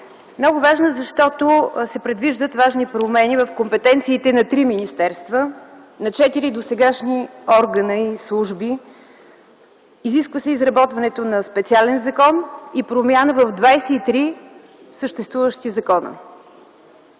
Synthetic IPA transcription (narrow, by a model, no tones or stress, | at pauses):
mnɔɡʊvaʒnəzɐʃt̪ɔt̪osɛpɾɛd̪viʒd̪ət̪vaʒnipɾomɛnivəfkompɛt̪ɛnt̪siːt̪ɛnɐt̪ɾiminist̪ɛɾst̪və | nɐt͡ʃɛt̪iɾid̪osɛɡaʃniɔɾɡənəislˠuʒbi | ziskvəsɛizɾɐbɔt̪vɐnɛt̪onɐspɛt̪sialɛnzɐkɔnipɾomʲjanəvəvd̪vajsɛit̪ɾi | səʃt̪ɛst̪vuvəʃt̪izɐkɔnə̰